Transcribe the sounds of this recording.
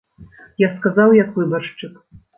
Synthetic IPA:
jaskazawjakvɨbaʂt͡ʂɨk

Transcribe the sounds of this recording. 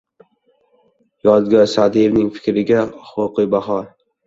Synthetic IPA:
jɒzɡʲasad̪ijɾnɪŋfɪ̥kʲɾɪɡʲaχoɾqɨjbaɦɒɾ

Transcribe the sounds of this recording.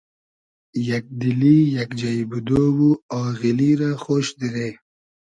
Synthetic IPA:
jak̚d̪ilijakd͡ʒaibud̪owuaːɣiliɾaxoːʃd̪iɾeː

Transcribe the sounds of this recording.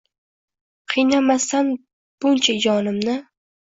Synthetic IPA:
qʰɨjnamast̪an | b̥ʊnt͡ʃʰad͡ʒɒnɪmnɪ

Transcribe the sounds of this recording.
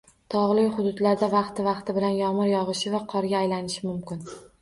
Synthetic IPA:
t̪ʰɒʁlˠɪjχʊd̪ʊd̪laɾd̪avɑqt̪ʰɪvɑqt̪ʰɪbɪlanjɒmɨɾjɒʁɨʃɪvaqʰɒɾɡʲaːjlanɪʃɪmʊmkʲɪn

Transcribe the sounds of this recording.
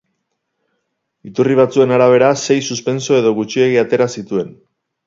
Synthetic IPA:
it̪uriβ̞at͡sue̞naɾaβ̞e̞ɾase̞jsuspe̞nso̞e̞ðo̞ɣ̞ut͡ʃie̞ɣiat̪e̞ɾasit̪ue̞n

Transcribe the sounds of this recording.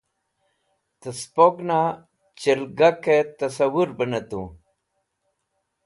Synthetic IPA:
t̪əspokna | t͡ɕilɡaket̪ɐsawuɾbənət̪u

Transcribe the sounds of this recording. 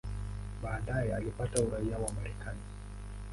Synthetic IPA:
ɓaːɗajɛalipatauɾaiawaːmaɾɛkani

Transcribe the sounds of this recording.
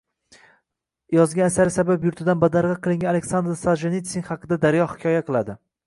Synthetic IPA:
jɒzɡʲanasaɾɪsabapjʊɾt̪ʰɪd̪anbad̪aɾʁɑqʰɨlˠɪŋɡʲaalekʲsand̪ɾsalˠʒenit̪sʲɪnχɑqʰɨd̪ad̪aɾjɒhɪ̥kʲʰɒjaqʰɨlˠad̪ɪ

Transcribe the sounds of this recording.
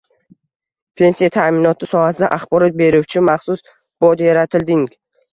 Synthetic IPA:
pʰe̞nsijat̪ʰamɪnɒt̪ʰɪsɒhasɪd̪a̰ʔaχbɒɾɒt̪̚be̞ɾuwt͡ʃʰɪmaχsʊs | b̥ɒd̪jaɾat̪ʰɪld̪ɪŋ

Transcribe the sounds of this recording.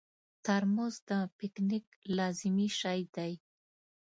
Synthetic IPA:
t̪aɾmʊzd̪əpɪkniklɑzɪmiʃajd̪aj

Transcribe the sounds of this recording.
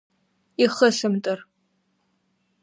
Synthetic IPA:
iχəɬɨmtʼɐr

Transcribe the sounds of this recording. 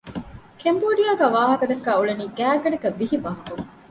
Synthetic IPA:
kemboːɖijaːɡæːʋaːɦɐkɐd̪ɐkːæːuɭeniːɡæːɡɐɖɐkɐʋiɦiʋaːɦɐku

